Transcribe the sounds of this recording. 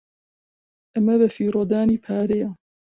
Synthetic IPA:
ʔɐmɐβɐfiːɾod̪aːniːpʰaːɾeja

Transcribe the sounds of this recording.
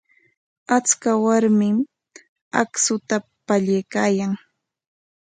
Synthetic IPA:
at͡skawaɾmɪm | a̰ksʊt̪apaʎajkaːjaŋ

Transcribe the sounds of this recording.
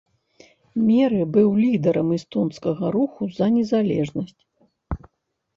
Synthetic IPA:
mʲɛɾɨbɨwlʲid̪ɛɾɐmist̪ɔnskɐɣɐɾuxuzɐnʲɛzalʲɛʐnɐsʲt͡sʲ

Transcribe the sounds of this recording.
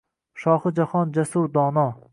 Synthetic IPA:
ʃɒːhɨd͡ʒahɒnd͡ʒasuɾd̪ɒːnɒ

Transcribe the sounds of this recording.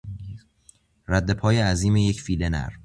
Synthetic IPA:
ɾæd̪ːe̞pʰɒːjeæziːmeje̞cfilenæ̰ɾ

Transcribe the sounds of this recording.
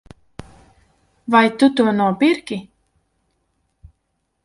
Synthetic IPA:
vajt̪ut̪uɔnuɔpiɾkʲi

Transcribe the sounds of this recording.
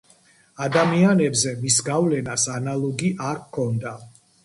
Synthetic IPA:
ad̪amianɛbzɛmisɡavlɛnasanalˠɔɡiʔaɾkʰɔnd̪a

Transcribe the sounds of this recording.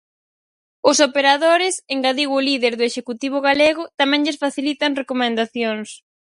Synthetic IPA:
ʊsopeɾaðoɾɪseŋɡaðiɣːliðeɾðʊeʃekut̪iβ̞ʊɣaleɣʊt̪amɛ̃ŋʎɪsfaθilit̪ɐŋrekomẽnd̪aθjoŋs

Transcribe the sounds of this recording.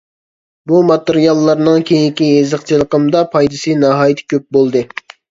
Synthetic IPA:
bumɑt̪eɾijɑlˠːɑɾnɨŋkʲʰejiŋkʲiezəqt͡ʃʰilˠəqəmd̪ɑpʰɑjd̪ɨsɨnɑɦɑːjt̪ʰɪ̥kʲøp̚bolˠd̪ɨ

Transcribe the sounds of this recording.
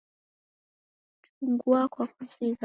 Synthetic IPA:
t | uŋɡuakwakuzik

